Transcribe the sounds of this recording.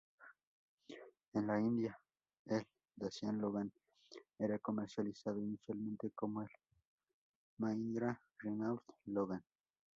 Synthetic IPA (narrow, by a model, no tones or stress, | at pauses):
enlaind̪ja | el | d̪asjanloɣan | eɾakomeɾsjalisaðoinisjalmẽnt̪ekomoel | maind̪ɾa | rinalt̪loɣan